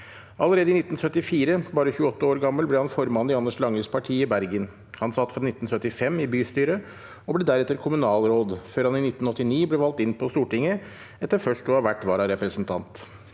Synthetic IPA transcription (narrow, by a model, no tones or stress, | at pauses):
ʔɑləɾeːd̪əɪnɪt̪n̩sœt̪ːɪfiːɾəbɑːɾəçʉːəɔt̪ːəoːɾɡɑmːəlblɛhɑnfɔɾmɑnd̪ɪɑnːəʂlɑŋɾəspʰɑʈʰiːɪbæɾɡən | hɑnsɑt̪ːfɾɑnɪt̪ːn̩sœt̪ːɪfɛmːɪbyːst̪yːɾə | ɔblɛd̪æɾɛt̪ːəɾkʰʊmʉnɑːlɾoːd̪føːɾhɑnɪnɪt̪ːnɔt̪ːɪniːblɛʋɑlt̪ɪnːpʰɔst̪uːʈɪŋːə | ɛt̪ːəɾfœʂʈuɑʋæʈːʋɑːɾɑɾɛpɾəsnt̪ʰɑnt̪